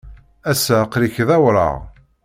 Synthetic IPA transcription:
æsæqɾiçðæwɾˤɑ̰ʁ

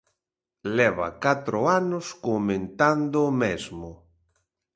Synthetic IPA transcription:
lɛβa̰kat̪ɾʊanʊskomẽnt̪and̪ʊmezmʊ

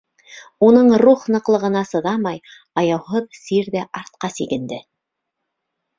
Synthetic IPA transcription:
unɤɴruχnɤ̆qlˠɤ̆ʁɤ̆nɑsɤ̆ðɑmɑj | ɑjɑwɦɤðsiɾðæʔɑɾt̪̚qɑsiɡɘ̆nd̪ɘ

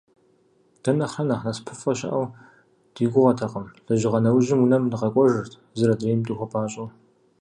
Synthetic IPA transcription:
d̥ɐnɐχɐnɐχnɐspʰɨfʼɐɕɐ̰ʔɐw | d̥iːɡʷʊʁɐtʰɐqʼəmɮ̥ɐʒɪʁɐnɐwʒɪmunɐmdɨʁɐkʷʼɔʒɨrtʰ | zɨɾɐdreːmtʼuxʷɐpʰaːɕʼɐw

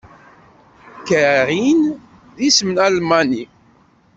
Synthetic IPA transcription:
kəɾin | ðismnælmani

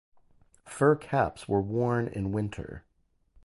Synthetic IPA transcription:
fɜ˞kʰæ̰pswə˞wɔɹnɪ̰̃nwɪ̃ntʰə̰˞

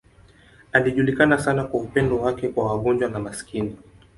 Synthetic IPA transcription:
aliʄulikanasanakwaupɛndɔwakɛkwawaɠɔnd͡ʒwanamasi̥kini

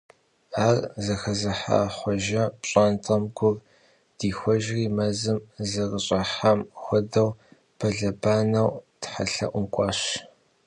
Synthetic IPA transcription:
aːrzɐxɐzɐħa̰ːχʷɔʒɐpɕʼaːntʼɐmɡʷʊr | d̥iːxʷɔʒriːmɐzɨmzɐrəɕʼɐħamxʷɔdɐw | pʰɐɮɐbaːnɐwtħa̰ɬɐ̰ʔʷʊmkʷʼɑːɕ

